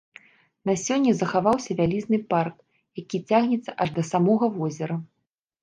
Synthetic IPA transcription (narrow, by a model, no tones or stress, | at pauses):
nasʲɔnʲːɐzɐxavawsʲɐvʲalʲiznɨpark | jakʲit͡sʲaɣnʲɛt̪sɐʔaʐd̪ɐsamɔɣɐvɔzʲɛɾɐ